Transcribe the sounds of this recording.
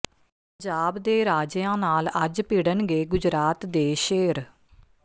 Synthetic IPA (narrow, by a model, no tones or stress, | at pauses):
pəɲd͡ʒaːbd̪eːɾaːd͡ʒjãːnaːləd͡ʒpiɽənɡeːɡʊd͡ʒɾaːt̪d̪eːʃeːɾ